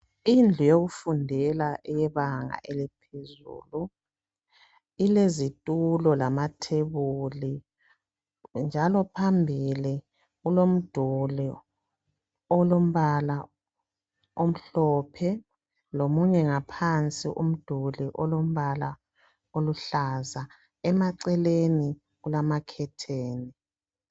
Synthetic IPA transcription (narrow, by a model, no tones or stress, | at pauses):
ind͡ɮʱujoɣufundʱɛlaʔɛjɛβaŋa̰ʔelipʰezṵːlu | ilezitʼulɔlamatʰeβuli | nd͡ʒʱalɔpʰambʱili | ɣulom̩d̥ʱuli | ɔlom̩βala | om̩ɬɔːpʰɛ | lomuɲɛŋapʰant͡sʼḭʔṵm̩d̥ʱuliʔɔlom̩βala | oluɬaza | ɛmaǀɛleni | ɣulamakʰɛtʰeːni